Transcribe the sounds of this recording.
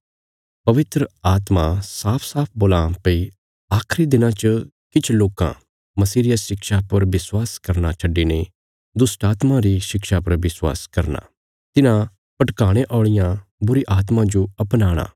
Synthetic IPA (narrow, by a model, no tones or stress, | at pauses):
pɐʋɪt̪ɾəaːt̪masaːpʰsaːpʰboːlãːmpɐi | aːkʰɾid̪ɪnãt͡ʃə | kɪt͡ʃʰloːkã̰ | mɐsiːɾɪjaʃɪkʃapɐɾʋɪswaːskɐɾnat͡ʃʰɐɖːine | d̪ʊsʈaːt̪mãɾiʃɪkʃapɐɾʋɪswa̰ːskɐɾna̰ː | t̪ɪnã | pɐʈkaːɽ̃eʔɔːɭ̃ɪjãbʊɾiʔaːt̪mãd͡ʒoɐpnaːɽ̃a̰ː